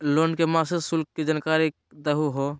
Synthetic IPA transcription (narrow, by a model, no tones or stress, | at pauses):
lonkemasesʊlk̚ːid͡ʒənkaːɾikd̪əɦuɦo